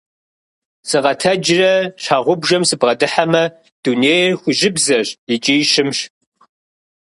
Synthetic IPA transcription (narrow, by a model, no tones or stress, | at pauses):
sɨʁɐtʰɐd͡ʒɪrɐɕaːʁʷʊbʒɐmsɨbʁɐdɨħamɐ | d̥uneːjrxʷʊʒɪbzɐɕɪt͡ʃʼiːʃɪmɕ